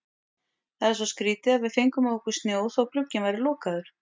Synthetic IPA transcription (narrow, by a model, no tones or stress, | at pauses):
θaðɛɾsvɔskɾiːt̪ɪaðvɪðfejŋkʏmaðɔkʏ̥st̪njoːwðɔɣklʏcːɪnvajɾɪlɔːkaðʏɾ̥